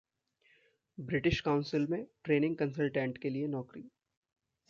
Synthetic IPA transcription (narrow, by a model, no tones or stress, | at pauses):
bɾɪʈɪʃkaʊ̃nsɪlmẽʈɾeːnɪ̃ŋɡ̚kə̃nsəlʈɛ̃ːɳʈkelienɔːkɾi